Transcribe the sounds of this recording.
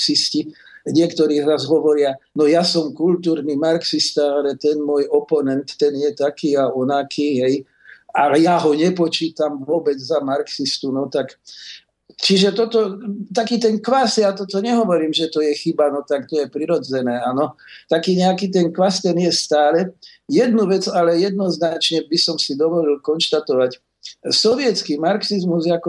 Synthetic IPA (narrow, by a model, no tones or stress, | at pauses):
ksisci | ɲɪɛkt̪ɔɾiːɾazɦɔʋɔɾɪanɔjasɔmkult̪uːɾniːmaɾksist̪aalɛt̪ɛnmʊɔjʔɔpɔnɛnt̪ːɛnjɛt̪akiːaɔnakʰiːɦɛj | alɛjaːɦɔɲɛpɔt͡ʃiːt̪amʋʊɔbɛd͡zzamaɾksist̪unɔt̪ak | t͡ʃiʒɛt̪ɔt̪ɔt̪akiːt̪ɛnkʋasjaːt̪ɔt̪ɔɲɛɦɔʋɔɾiːmʒɛt̪ɔjɛxibanɔt̪akt̪ɔjɛpɾiɾɔd͡zɛnɛːanɔt̪akiːɲɛakiːt̪̬ɛnkʋast̪ɛnjɛst̪aːlɛ | jɛd̪nuʋɛd͡zalɛjɛd̪nɔznat͡ʃɲɛbisɔmsid̪ɔʋɔlilkɔnʃt̪at̪ɔʋac | sɔʋɪjɛt͡skiːmaɾksizmuzjakɔ